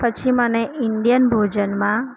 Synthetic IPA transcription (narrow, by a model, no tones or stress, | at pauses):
pət͡ʃʰimənẽiɳɖijənbʱod͡ʒənmã